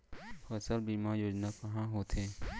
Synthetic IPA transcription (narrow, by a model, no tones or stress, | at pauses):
xəsəlbiːmajoːd͡ʒnakɐɦãɦoːt̪ʰeː